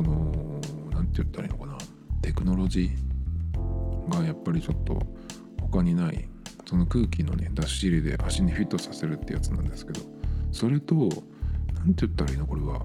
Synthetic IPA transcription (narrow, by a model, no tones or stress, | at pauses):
sono̞nãnt̪ejɯ̟t̪ːaɾa̰ḭnokana | t̪e̞kɯ̟no̞ɾo̞ʑiː | ɡajapːaɾʲit͡ɕo̞t̪ːo̞̰ | ho̞kaɲ̟inaḭso̞no̞kɯ̟ːkʲino̞̰ne̞d̪aɕːiɾʲid̪e̞̰ʔaɕiɲiɸʲit̪ːo̞sase̞ɾɯ̟t̪ːeɯ̰jat͡sɨnã̰nd̪e̞sɨ̥ke̞d̪o̞so̞ɾe̞t̪o̞ | nãnt̪ejɯ̟t̪ːaɾaiːnoko̞ɾe̞βa̰